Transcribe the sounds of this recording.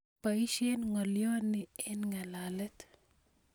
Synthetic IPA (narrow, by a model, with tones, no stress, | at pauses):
pai˦ʃe˦nŋɔ˨ljo˦nɪɛ˦nŋa˨lalɛ˦t̪